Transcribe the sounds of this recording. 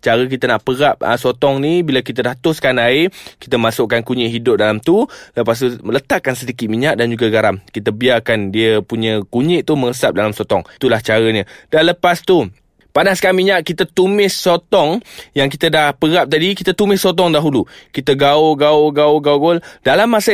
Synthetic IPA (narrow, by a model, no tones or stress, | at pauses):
t͡ʃaɾək̬it̪ənaʔpəɡap̚ə̰sot̪ɔŋnibilak̬it̪ədaht̪ʊskanaeki̥t̪əmasʊʔkːankuɲɪʔɦidʊp̚dalamt̪uləpast̪umələt̪aʔkːansədikɪt̪̚miɲaʔ̚dand͡ʒuɡaɡaɾamkit̪əbiarkandiəpuɲə̃kuɲɪʔt̪uməəsap̚dalamsot̪ɔŋt̪ulaht͡ʃaɾəɲəd̥anləpast̪u | panaskamiɲaʔkit̪at̪umɪsot̪ɔŋjaŋkit̪ədahpəɡap̚t̪adikit̪at̪umɪsɔt̪̬ɔŋdaɦulukit̪əɡaoɡaoɡaoɡauɡoldalamːasə